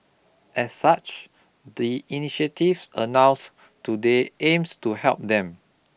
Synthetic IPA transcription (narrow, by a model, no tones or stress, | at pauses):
ʔɛsːat͡ʃ | diiniʃətifsənãw̃s | tudeʔẽmstuhɛ̰lp̚dɛ̃m